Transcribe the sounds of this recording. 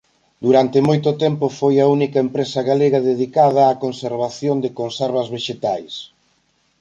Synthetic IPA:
d̪uɾant̪emojt̪ʊt̪ɛmpʊfojɐunikɐempɾesɐɣaleɣɐðeðikað̞ɐːkonseɾβaθjond̪ekonsɛɾβɐzβeʃet̪ajs

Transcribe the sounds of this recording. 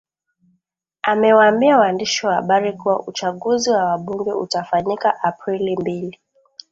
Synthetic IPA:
amɛwaambiawaːndiʃiwaha̰ɓaɾikuwa̰ʔut͡ʃaɠuziwawaɓuŋɡɛṵtafaɲikaʔapɾilimbili

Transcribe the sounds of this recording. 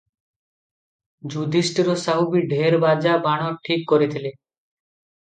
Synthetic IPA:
d͡ʑud̪ʱisʈiɾosaɦubiɖʱeɾbad͡ʑabaɽ̃ɔʈʰikːoɾet̪ʰile

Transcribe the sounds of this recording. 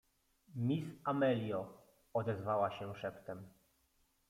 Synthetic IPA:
mʲisamɛlʲjɔ | ɔd̪ɛzvawaɕɛʂɛpt̪ɛm

